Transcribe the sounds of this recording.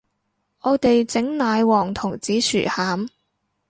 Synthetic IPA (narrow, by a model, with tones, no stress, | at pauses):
ʔɔː˨˧t̪e˨jt͡sɪ˨˥ŋnaː˨˧jwɔː˨˩ŋt̪ʰʊ˨˩ŋt͡siː˨˥sʰy̰ː˨˩haː˨˥m